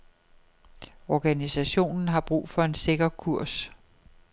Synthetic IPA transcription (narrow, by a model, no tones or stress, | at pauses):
ɒɡ̥ænisæɕo̝̰ːnn̩ɦɑ̈b̥ʁṵːfɒ̽e̝nse̝ɡ̥ɐkʰuɐ̰s